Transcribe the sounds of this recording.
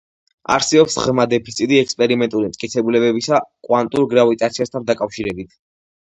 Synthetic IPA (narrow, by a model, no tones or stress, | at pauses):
a̰ɾsɛbɔpsʁmad̪ɛpʰit̪sʰit̪ʼiɛkspʼɛɾimɛnt̪ʼuɾimt̪ʼkʼit̪sʰɛbulɛbɛbisakʼwant̪ʼuɾɡɾavit̪ʼat̪sʰiast̪ʰand̪akʼafʃiɾɛbit̪ʰ